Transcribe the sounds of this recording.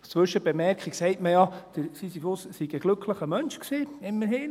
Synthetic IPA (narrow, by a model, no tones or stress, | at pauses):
t͡sʋʏʃəb̥emɛɾkʰχiksɛɪtməjɑd̥əɾsisifʊssiɡəɡ̥lɵkʰləχəmœnʃksiːɪmːəɾɦɪn